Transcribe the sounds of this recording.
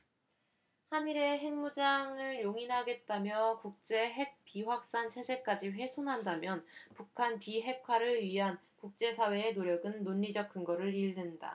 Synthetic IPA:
haniɾe̞ɦe̞ŋmud͡ʑaŋɯɭjoŋinɦaɡe̞t̚t͈amjʌkuk̚t͡ɕ͈e̞ɦe̞k̚p͈iɸwak̚s͈ant͡ɕʰe̞sʰe̞k͈ad͡ʑiɸwe̞sʰonɦandamjʌnpukʰanpiɦe̞kʰwaɾɯɭɥiɦan | kuk̚t͡ɕ͈e̞sʰawe̞ːnoɾjʌɡɯnːoɲːid͡ʑʌk̚k͈ɯŋɡʌɾɯɭiɭdɯnda̰

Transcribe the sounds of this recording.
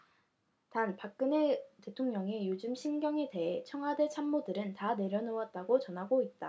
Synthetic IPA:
tanpak̚k͈ɯnete̞tʰoŋɲʌŋejod͡ʑɯmɕʰinɡjʌŋe̞te̞ɦet͡ɕʰʌŋɦwade̞t͡ɕʰamːodɯɾɯntane̞ɾjʌnowʌt̚t͈aɡot͡ɕʌnɦaɡoit̚t͈a

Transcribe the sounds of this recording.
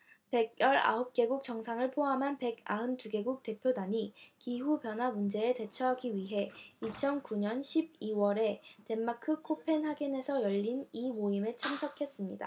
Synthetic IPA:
pe̞ɡ̚jʌɾa̰hop̚k͈e̞ɡuk̚t͡ɕ͈ʌŋsʰaŋɯɭpʰoɦamɦanpe̞ɡaɯntuɡe̞ɡuk̚t͈e̞pʰjodaɲikiɦupjʌnɦwamund͡ʑe̞ːte̞t͡ɕʰʌɦaɡiɥiɦe̞it͡ɕʰʌnkuɲʌnɕʰib̚iwʌɾe̞te̞mːakʰɯkʰopʰe̞nhaɡine̞sʰʌjʌʎːinimoimeɭt͡ɕʰamsʰʌkʰe̞s͈ɯmɲida̰

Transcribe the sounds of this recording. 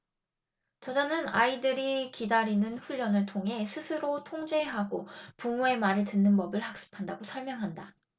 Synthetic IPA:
t͡ɕʌd͡ʑanɯnaidɯɾikidaɾinɯnɸuʎːʌnɯɭtʰoŋɦe̞sʰɯsʰɯɾotʰoŋd͡ʑe̞ɦaɡopumue̞maɾɯɭtɯnːɯnbʌbɯɭhak̚s͈ɯ̥pʰandaɡosʰʌɭmjʌŋɦanda

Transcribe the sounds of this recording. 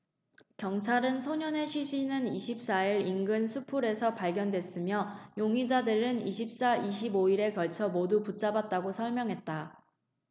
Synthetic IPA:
kjʌŋt͡ɕʰaɾɯnsʰoɲʌne̞ɕʰiɕʰinɯniɕʰip̚s͈aiɾinɡɯnsʰupʰuɾe̞sʰʌpaɭɡjʌndwes͈ɯmjʌjoŋid͡ʑadɯɾɯniɕʰip̚s͈aiɕ̬ʰiboiɾe̞kʌɭt͡ɕʰʌmoduput͡ɕ͈abat̚t͈aɡosʰʌɭmjʌŋɦe̞t̚t͈a

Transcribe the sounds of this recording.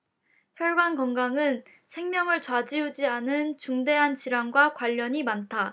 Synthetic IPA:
çjʌɭɡankʌŋɡaŋɯn | sʰe̞ŋmʲjʌŋɯɭt͡ɕwad͡ʑiud͡ʑianɯnt͡ɕuŋde̞ɦant͡ɕiɾaŋɡwakwaʎːʌɲimantʰa

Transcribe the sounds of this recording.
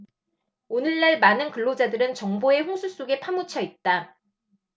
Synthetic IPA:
onɯɭːaɭmanɯnkɯɭːod͡ʑadɯɾɯnt͡ɕʌŋboe̞ɸoŋsʰus͈oɡe̞pʰamut͡ɕʰʌit̚t͈a

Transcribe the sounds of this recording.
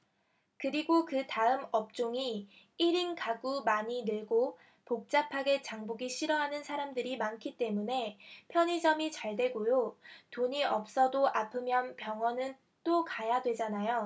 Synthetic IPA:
kɯɾiɡokɯtaɯmʌp̚t͡ɕ͈oŋi | iɾinkaɡumaɲinɯɭɡo | pok̚t͡ɕ͈apʰaɡe̞t͡ɕaŋboɡiɕʰiɾʌɦanɯnsʰaɾamdɯɾimankʰit͈e̞mune̞pʰjʌɲid͡ʑʌmit͡ɕaɭdwe̞ɡojotoɲiʔʌp̚s͈ʌdoʔapʰɯmjʌnpjʌŋɦwʌnɯn | t͈okajadwe̞d͡ʑanajo

